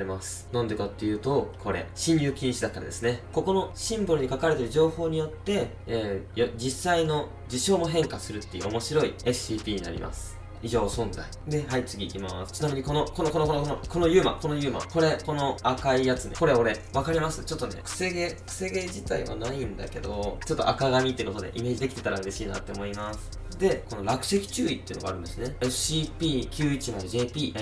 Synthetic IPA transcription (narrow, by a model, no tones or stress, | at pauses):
emasɨ̥nõnd̪e̞kat̪ːe̞jɯ̟ːt̪o̞kʰo̞ɾe̞̰ɕĩnjʲɯːkʲiɲĩɕid̪at̪ːaɾa̰d̪e̞sɨne̞ko̞ko̞no̞ɕĩmboɾɯ̟ɲ̟ikakaɾe̞t̪eɾɯ̟ʑo̞ːho̞ːɲ̟ijo̞t̪ːe̞ | ejod͡ʑisːaino̞ | d͡ʑiɕo̞ːmo̞ɦẽ̞ŋkasɨɾɯ̟t̪ːe̞jɯ̟̰omo̞ɕiɾo̞ie̞sɨ̥iːpʲiːɲina̰ɾʲḭmʔa̰sɨ̥ | iʑo̞ːsõ̞nza̰id̪e̞ɦait͡sɨɡʲiːkʲima̰sɨ̥t͡ɕinamʲiɲ̟iko̞nokonoko̞nokonokonoko̞no̞jɯːma̰ko̞nojɯ̟ːma̰ko̞ɾe̞ko̞no̞akaijat͡sɨneko̞ɾe̞o̞ɾe̞βakaɾʲimasɨt͡ɕo̞t̪ːo̞ne̞̰kɯ̟̥se̞ɡekɯ̟̥se̞ɡe̞d͡ʑit̪aḭmo̰naĩnd̪a̰ke̞d̪o̞̰t͡ɕo̞t̪ːo̞ʔakaɡamʲit̪ːeɯko̞t̪o̞d̪e̞̰ʔime̞ːd͡ʑid̪e̞kʲi̥t̪e̞t̪aɾaɯɾe̞ɕiːna̰t̪ːe̞omo̞imasɨ̥ | d̪e̞ko̞no̞ɾakɯ̟̥ɕekʲi̥t͡ɕɨːit̪ːei̟noɡa̰ːɾɯ̟nd̪esineesɕipʲiːkʲɨːit͡ɕimaeʑe̞ːpʲiː